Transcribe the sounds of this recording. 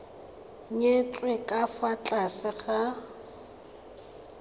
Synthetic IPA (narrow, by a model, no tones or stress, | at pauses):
ɲet͡sʼwekʼafat͡ɬʼasɪχa